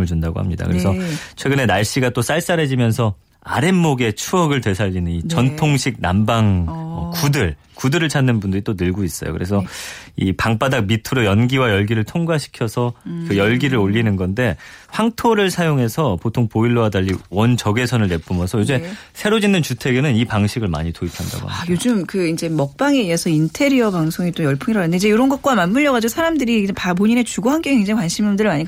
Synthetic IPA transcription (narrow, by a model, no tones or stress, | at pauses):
mɯɭd͡ʑundaɡo̰ha̰mɲida̰kɯɾe̞sʰʌt͡ɕʰwe̞ɡɯne̞naɭɕ͈iɡat͈os͈aɭs͈aɾe̞d͡ʑimjʌnsʰʌ | a̰ɾenːoɡe̞t͡ɕʰuʌɡɯɭtwe̞sʰaʎːinɯnit͡ɕʌntʰoŋɕʰik̚nambaŋʌkudɯɭ | kudɯɾɯɭt͡ɕʰanːɯnbundɯɾit͈onɯɭɡois͈ʌ̰jo̰kɯɾe̞sʰʌipaŋp͈adak̚mitʰɯɾojʌnɡiwajʌɭɡiɾɯɭtʰoŋɡwaɕʰi̥kʰjʌsʰʌkɯjʌɭɡiɾɯɾoʎːinɯnɡʌnde̞ɸwaŋtʰoɾɯɭsʰajoŋɦe̞sʰʌpotʰoŋpoiɭːoadaʎːiwʌnt͡ɕʌɡe̞sʰʌnɯɭne̞p͈ʰumʌsʰʌjod͡ʑesʰe̞ɾod͡ʑinːɯnt͡ɕutʰe̞ɡenɯnipaŋɕʰiɡɯɭma̰ɲitoipʰanda̰ɡo̰ajod͡ʑɯmkɯind͡ʑe̞mʌk̚p͈aŋe̞iasʰʌintʰe̞ɾiʌpaŋsʰoŋit͈ojʌɭpʰɯŋiɾaendeid͡ʑe̞joɾʌnɡʌt̚k͈wamanmuʎjʌɣad͡ʑiɡosʰaɾamdɯɾiepapoɲine̞t͡ɕuɡoɦank͈ʌŋeind͡ʑekwanɕʰimʌmdɯɾimaɲiɡa